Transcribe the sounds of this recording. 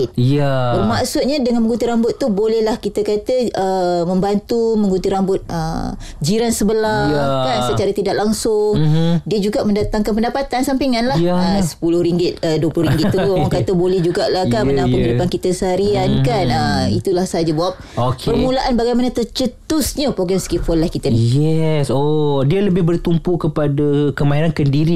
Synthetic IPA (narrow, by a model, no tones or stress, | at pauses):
t̪̚bərmaʔsʊt̪̚ɲadəŋanməŋɡunt̪iɾambʊt̪ːubolɛhlahkit̪akat̪əəmə̃mbant̪uməŋɡunt̪iɾambʊt̪̚ə̰ | d͡ʒiɾansəbəlakansət͡ʃaɾat̪idaʔlaŋsʊŋdiəd͡ʒuɡaʔmə̃ndat̪aŋkanp̬əndapat̪ansampiŋanlahəsə̥pulʊhɾiŋɡɪt̪̚əduəplʊhɾiŋɡɪt̪uɡmaŋkat̪əbolɛhd͡ʒuɡaʔlahkanəŋnãpəŋidupankit̪asaɾiankanəit̪ulahsəɦad͡ʒabawap̚okpərmũlaʔanbaɡajmanat̪ərt͡ʃət̪ʊsɲəpɾoɡɾɛmskifɔlahkit̪ənijɛsodialəbɪhbərt̪umpukəpadakəmaiɾankəndiɾi